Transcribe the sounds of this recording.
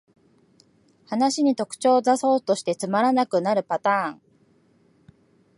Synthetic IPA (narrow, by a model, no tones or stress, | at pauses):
hanaɕiɲ̟it̪o̞kɯ̟̥t͡ɕo̞ːzaso̞ːt̪o̞ɕi̥t̪e̞t͡sɨmaɾanakɯ̟naɾɯ̟pat̪ãːŋ